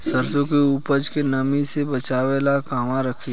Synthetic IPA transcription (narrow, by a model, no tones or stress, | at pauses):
səɾsõkeuːpəd͡ʒkenɐmisebət͡ʃaːʋelakaːmaɾəkʰi